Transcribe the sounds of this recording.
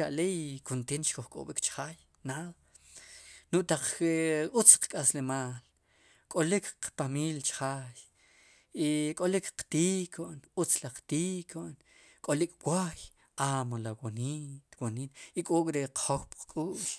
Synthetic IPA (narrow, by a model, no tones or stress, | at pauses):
aʔlejkont̪ent̪ʃkoχkʼo̰ɓikt͡ʃχaj | nað | nuʔt̪aq͡χut͡sqkʼaslemaːl | kʼolikqpamiːlt͡ʃχaːj | ikʼolikqt̪ikʰoʔnut͡slaqt̪iːkʰoʔn | kʼolikʼwaj | amolawonit̪woniːt̪ikʼoːkʼɾeqχoxpq͡χkʼuːʔl